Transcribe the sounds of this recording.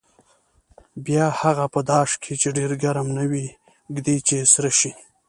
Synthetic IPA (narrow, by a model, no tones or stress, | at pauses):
bjɑhaɣapəd̪ɑʂkʰet͡ʃeɖeɾɡaɾamnawi | ɡd̪it͡ʃesɾaʃi